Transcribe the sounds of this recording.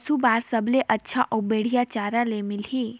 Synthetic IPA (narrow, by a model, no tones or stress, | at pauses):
subaːɾsəbleʔətːʃʰaʔɔbeɽ̤ijat͡ʃaːɾalemɪlɦiː